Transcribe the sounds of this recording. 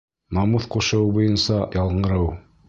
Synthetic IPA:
mɑmuθquʃɤ̆wbujɤnsɑjʔɑlˠɴɤ̆ɾɤw

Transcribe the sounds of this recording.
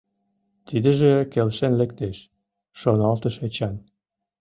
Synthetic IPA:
t̪id̪ə̆ʒĕkelʃenlekt̪eʃ | ʃonɑlt̪əʃet͡ɕɑn

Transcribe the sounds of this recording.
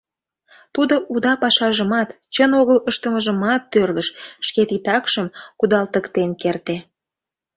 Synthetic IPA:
t̪ud̪oʔud̪ɑpɑʃɑʒəmɑt̪ | t͡ɕənoɣələʃt̪əməʒəmɑt̪ːørləʃʃket̪it̪ɑkʃəmkud̪ɑlt̪əkt̪enkert̪e

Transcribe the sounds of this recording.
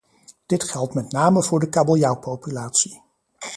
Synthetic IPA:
d̥ɪtχɛlˠtmɛtnaːməvʊːɹdəkabolˠjawpowpylaːtsi

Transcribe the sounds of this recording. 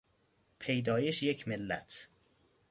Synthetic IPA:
pʰejd̪ɒːjeʃjecʰmelːæ̰t̪ʰ

